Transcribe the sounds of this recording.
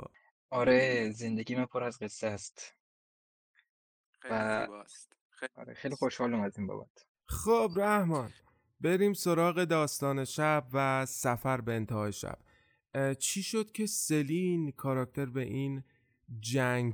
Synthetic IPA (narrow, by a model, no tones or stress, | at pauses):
ɒːɾezend̪eɡiːmæmpʰoɾæzɡe̞sːest̪ | væ | ɒ̰ːɾḛxejlixoʃhɒːlimæziːnbɒ̰bæ̰t̪ʰ | xobræhmɒːn | be̞ɾiːmso̞ɾɒːɣe̞d̪ɒːst̪ɒːne̞ʃæbvæsæfæɾbeːnt̪ʰehɒːjeʃæ̰b̥ | t͡ʃʰiːʃod̪̥cʰe̞se̞linkʰɒːɾɒːk̚t̪ʰe̞ɾbe̞ʔiːn | d͡ʒæŋɡ